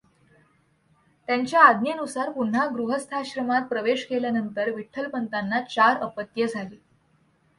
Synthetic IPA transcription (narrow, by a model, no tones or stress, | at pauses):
t̪jaɲt͡ɕjaːd̪ʱnjənusaɾpun̤ːaɡɾuɦəst̪ʰaɕɾəmat̪̚pɾəʋeɕkeljanənt̪əɾʋiʈʰːəlpənt̪anːat͡ɕaɾəpət̪jəd͡zʱaliː